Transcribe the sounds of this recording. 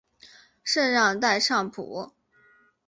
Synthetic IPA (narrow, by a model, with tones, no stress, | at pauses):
ʂə˥˧nɻɑ˥˧ŋt̪a˥˧ɪʂɑ˥˩ŋpʰṵ˧˥